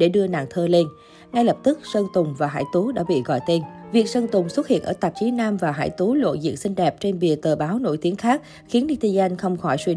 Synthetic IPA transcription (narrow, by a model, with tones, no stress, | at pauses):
ɗe˧˩ɗɨ˧əna̰ː˧˨ŋt̪ʰəː˧le˧n | ŋa˧jlə˨˩p̚t̪ɨ˦˥k̚sə˧ŋt̪ʊ˨˩ŋ͡mvaː˨˩ɦa̰ː˧˩˨jt̪u˨˦ɗa̰ː˧˥ɓḭ˧˨ɣɔ̰˧˨jt̪e˧nvi˨˩ək̚sə˧ŋt̪ʊ˨˩ŋ͡mswə˦˥t̚hḭ˧˨ənʔəː˧˩t̪a˨˩p̚t͡ɕi˨˦naː˧mvaː˨˩ɦa̰ː˧˩jt̪u˨˦lo̰˧˨zḭ˧˨ənsï˧ŋ̟ɗɛ˨˩p̚t͡ɕe˧nɓi˨˩ət̪əː˨˩ɓaː˨˦wno̰˧˥˨jt̪i˨˦əŋxaː˦˥k̚ | xi˨˦ənɗi˧t̪i˧za˧jŋ̟xə˧wŋ͡mxɔ˧˩jswi˧